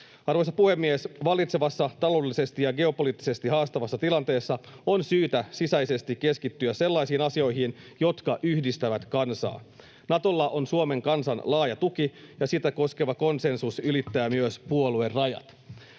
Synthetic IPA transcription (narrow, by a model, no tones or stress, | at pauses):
ɑrʋo̞jsɑpuhe̞mːiesʋɑlˑit̪seʋɑsːɑt̪ɑlo̞ːdelːise̞st̪ijɑɡe̞o̞poliːt̪ːise̞st̪iɦɑːst̪ɑʋɑsːɑt̪ilɑnt̪e̞ːsːɑo̞nsyːt̪æsisæjse̞st̪ikke̞skit̪ːyæse̞lːɑjsiːnɑsio̞jɦin | jo̞t̪kɑʔyhdist̪æʋæt̪kɑnsɑ̰ː | nɑt̪o̞lːɑʔonsuome̞ŋkɑnsɑnlɑːjɑt̪ukijɑsit̪æko̞ske̞ʋɑko̞nse̞nsusylit̪ːæːmyøspuolue̞rrɑjɑ̰t̪